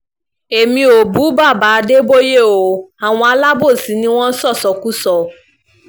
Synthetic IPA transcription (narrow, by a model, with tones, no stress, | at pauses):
e˨mĩ˧o˨bu˨˦ba˦˨ba˨˧˦de˦bo˦je˦˨o˨a˨w̃ɔ̃˧a˧˦la˦bo˦˨sĩ˨˦nĩ˦w̃ɔ̃˦sɔ˦˨sɔ˨˦ku˦sɔ˦